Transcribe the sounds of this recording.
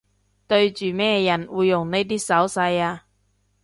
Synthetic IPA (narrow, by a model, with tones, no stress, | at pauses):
t̪ɵ˧ɥt͡ʃyː˨mɛː˥˧jɐ˨˩nwuː˨˧jːʊ˨˩ŋne˧˥jt̪̬iː˥sɐ˨˥wsɐ˧jaː˧